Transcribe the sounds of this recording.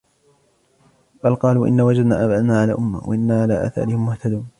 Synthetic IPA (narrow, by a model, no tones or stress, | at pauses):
balqɑːluːʔɪ̰nːaːwad͡ʒad̪naːʔabad̪naːʕalaːʔʊmːa̰wa̰ʔɪnːaːʕalaːʔa̰ːθa̰ɾɪhɪmmʊht̪ad̪uːn